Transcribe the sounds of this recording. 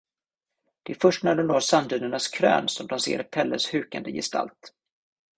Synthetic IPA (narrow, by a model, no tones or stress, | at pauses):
d̪̥ɛfœʂʈnaɖɛnoːɾsand̪ʉːnəɳaskʰɾø̰ːnsɔmd̪ɔmsḛːɾpʰɛlːəshʉ̟ːkand̪əjɪ̰st̪a̰lt̪